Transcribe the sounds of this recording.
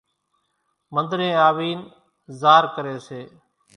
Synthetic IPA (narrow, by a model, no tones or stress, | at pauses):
mənd̪ɾẽːaːʋiːn | zaːɾkəɾeːseː